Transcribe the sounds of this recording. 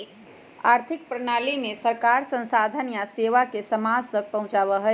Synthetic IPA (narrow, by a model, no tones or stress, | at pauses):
a̰ːɾt̪ʰik̚pɾənaːlimẽsəɾkaɾsə̃nsad̪ʱənjaseʋakesəmad͡zt̪ək̚pɐɦũt͡ʃaʋəɦə